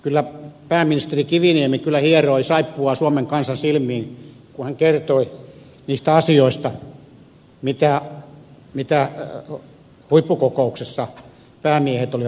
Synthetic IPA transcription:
kylːæpæːmːinist̪erikiʋiniemikylːæhieroisɑipːuɑsuomeŋkɑnsɑnsilmˑiːn | kuhæŋkert̪oi | niːst̪æɑsioist̪ɑ | mit̪æ | mit̪æ | huipːukokouksesːɑ | pæːmiehet̪oliʋ

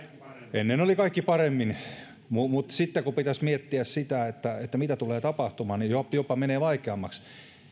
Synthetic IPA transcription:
enːenolikɑikːipɑremːin | mumut̪sit̪ːekupit̪æsmiet̪ːiæssit̪æet̪ːæet̪ːæmit̪æt̪uleːt̪ɑpɑht̪umɑːnijojopɑmeneːʋɑikeɑmːɑks

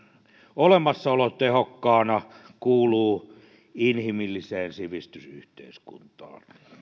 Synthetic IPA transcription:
olemɑsːɑolot̪ehokːɑːnɑkuːluː | inhimilːiseːnsiʋist̪ysy̰ht̪ḛiskṵnt̪ɑ̰ːn

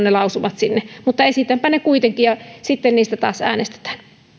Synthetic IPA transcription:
nnelɑˑusuʋɑt̪sinːemut̪ːɑesit̪æmpænekuit̪eŋkijɑsit̪ːenniːst̪æt̪ɑ̰ːsæ̰ːnest̪e̥t̪æ̥ːn

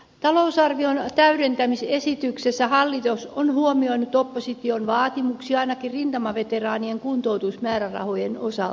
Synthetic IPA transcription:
t̪ɑlousɑrʋiont̪æyɾent̪æmisesit̪yksesːæhɑlːit̪osonhuomioinut̪opːosit̪ionʋɑːt̪imuksiɑinɑkirrint̪ɑmɑʋet̪erɑːnieŋkunt̪out̪usmæːɾærɑ̰hojenosɑ̰lt̪ɑ

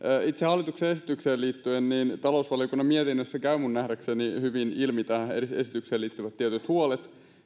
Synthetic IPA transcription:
it̪sehɑlːˑit̪ukseːesit̪ykseːliːt̪ːyenniːnt̪ɑlousʋɑliokunːɑmiet̪inːøsːækæymunːnæhdæksenihyʋinilmit̪ɑeesit̪ykseːliːt̪ːyʋæt̪ːiɛt̪yt̪huolet̪

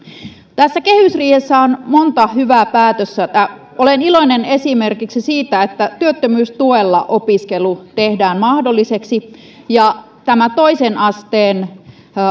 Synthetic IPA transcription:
t̪æsːæke̞hysriːhesːæonmont̪ɑhyʋæːpæːt̪øsːæt̪æ | olenilo̞inene̞simerkiksisiːt̪æet̪ːæt̪yøt̪ːømyːst̪uelːɑ̰ʔo̞piskelut̪ehdæːnmɑhdolːiseksi | jɑ | t̪æmæt̪oisenɑst̪eːn

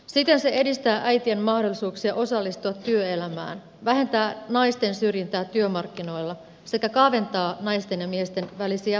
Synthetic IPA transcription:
sit̪ːe̞nse̞e̞dist̪æːʔæjt̪ie̞nmɑhdolːˑisuːksiɑʔo̞sɑlːist̪uɑt̪ːyøe̞læmæ̰ːn | ʋæɦe̞nt̪æːnɑjst̪e̞nsyrjint̪æːt̪yømɑrkːino̞jlːɑ | se̞kækɑːʋe̞nt̪ɑːnɑjst̪e̞njɑmie̞st̪e̞nʋælisiæ

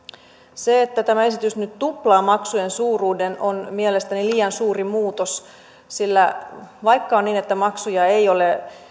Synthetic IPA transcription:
seet̪ːæt̪æmæe̞sit̪ysnyt̪t̪uplɑːmɑksujensuːruːdenonmielest̪æniliːjɑnsuːrimuːt̪os | silːæʋɑjkːɑonniːnet̪ːæmɑksujɑejo̞le

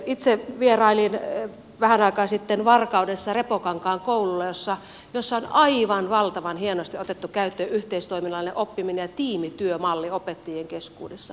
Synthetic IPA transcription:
it̪seʋierɑilin | ʋæhænɑikɑːnsit̪ːenʋɑrkɑudesːɑrepokɑŋkɑːŋkoululːɑjosːɑ | josːɑonɑiʋɑnʋɑlt̪ɑʋɑnhienost̪iot̪et̪ːukæyt̪ːøːʔyht̪eist̪oiminɑlineʔopːiminejɑt̪iːmit̪yømɑlːiopet̪ːijeŋkeskṵːdesːɑ

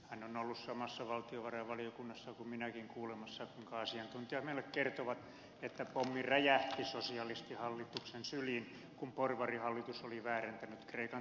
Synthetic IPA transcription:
hænonolːussɑmɑsːɑʋɑlt̪ioʋɑrɑʋɑlijokunːɑsːɑkumminækiŋkuːlemɑsːɑkuiŋkɑɑsiɑnt̪unt̪iɑhmeilːekkert̪oʋɑt̪ | et̪ːæpomːiræjæht̪isosiɑlist̪ihɑlːit̪uksensylin | kumporʋɑrihɑlːit̪usoliʋæːrent̪ænyt̪kreikɑn

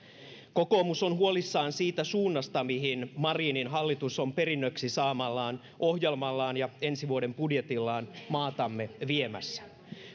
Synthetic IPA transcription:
ko̞ko̞ːmusonɦuo̞lisːɑːnsiːt̪æsuːnːɑst̪ɑmiɦinmɑriːninɦɑlːit̪uso̞mpe̞ɾinːøksisɑːmɑlːɑːn | ʔo̞hjelmɑlːɑːnjɑe̞nsiʋuode̞mpudje̞t̪ilːɑːnmɑːt̪ɑmːe̞ʋiemæ̰sːæ̥

